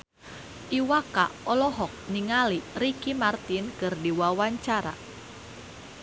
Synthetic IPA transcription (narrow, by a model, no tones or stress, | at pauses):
ʔiwakaɔlɔɦɔk̚niŋalirikimart̪inkərdiwawaɲt͡ʃaɾa̰